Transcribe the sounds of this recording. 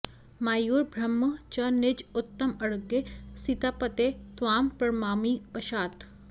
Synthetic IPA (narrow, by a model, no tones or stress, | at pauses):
maːjuːɾbʱɾɐmːɐt͡ʃɐnɪd͡ʒʊt̪ːɐmɐɽɡesit̪apɐt̪et̪ʋaːmpɐɾmaːmipɐʃaːt̪